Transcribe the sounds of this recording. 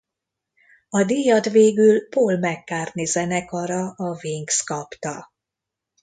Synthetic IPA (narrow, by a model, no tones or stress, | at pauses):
ɒd̪ijɒd̪veːɡylpoːlmɛkːaːrnizɛnɛkɒɾɒɒviŋkskɒpt̪ɒ